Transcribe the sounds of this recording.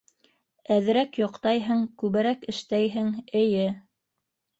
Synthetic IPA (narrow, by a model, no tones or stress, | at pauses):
æðɘ̆ɾækjŏqt̪ɑjɦɤɴkʉβɘ̆ɾækɘ̆ʃt̪æjɦɘŋɘ̆jɘ